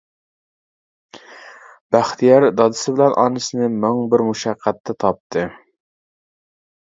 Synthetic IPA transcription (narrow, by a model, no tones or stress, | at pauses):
b̥æχt̪ʰijɑɾd̪ɑd̪ɨsɪbɪlɛnʔɑ̰nɨsɨnɨmɪŋbɪɾmuʃæqʰːæt̪ʰːɛt̪ʰɑp̚t̪ʰɨ